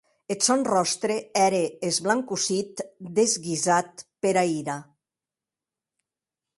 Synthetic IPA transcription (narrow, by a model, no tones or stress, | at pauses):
et̪sɔnrɔst̪ɾeɛɾeːzβlaŋkusit̪d̪ezɣizat̪̚peɾaiɾa